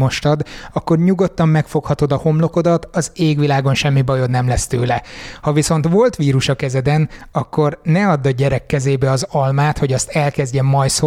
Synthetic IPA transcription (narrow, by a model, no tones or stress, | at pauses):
o̞ʃt̪ɒd̪ɒkːo̞rɲuɡo̞t̪ːɒmːɛkfo̞khɒt̪o̞d̪ɒho̞mlo̞ko̞d̪ɒt̪ɒzeːɡʋilaːɡo̞nʃɛmːibɒjo̞d̪nɛmlɛst̪øːlɛhɒʋiso̞n̪t̪ʋo̞lt̪ʋiːɾuʃɒkɛzɛd̪ɛnɒkːo̞rnɛɒd̪ːɒɟɛɾɛkːɛzeːbɛɒzɒlmaːt̪ho̞ɟɒst̪ɛlkɛzɟɛmːɒjso